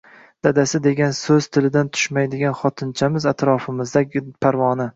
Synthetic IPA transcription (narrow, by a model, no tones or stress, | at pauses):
d̪̥ad̪asɪd̪e̞ɡʲansɵz̥t̪ʰɪlɪd̪ant̪ʰʊ̥ʃmajd̪ɪɡʲanχɒt̪ʰɪnt͡ʃʰamɪzat̪ɾɒfɪmɪzd̪apʰaɾvɒnɪ